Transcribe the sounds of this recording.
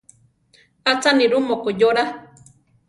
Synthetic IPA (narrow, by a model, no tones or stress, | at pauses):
at͡saniɾumokojoɾa